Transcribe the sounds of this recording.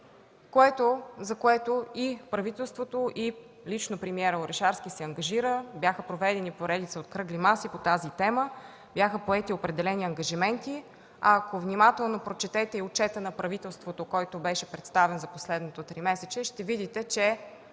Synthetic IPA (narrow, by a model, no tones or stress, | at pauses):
koɛt̪ozɐkoɛt̪oipɾɐvit̪ɛlˠst̪vot̪oʔi | lit͡ʃnopɾɛmiɛɾoɾɛʃaɾskʲisɛɐŋɡɐʒiɾəbʲjaxəpɾovɛd̪ɛnipoɾɛd̪it̪səot̪kɾɤɡlimasipot̪azit̪ɛmə | bjaxəpoɛt̪iopɾɛd̪ɛlɛniɐŋɡɐʒimɛnt̪i | ɐːkovnimat̪ɛlˠnopɾot͡ʃɛt̪ɛt̪ɛiʊt͡ʃɛt̪ənɐpɾɐvit̪ɛlˠst̪vot̪okɔjt̪obɛʃɛpɾɛt̪st̪avɛnzɐposlɛd̪not̪ot̪ɾimɛsɛt͡ʃɛʃt̪ɛvid̪it̪ɛt͡ʃɛ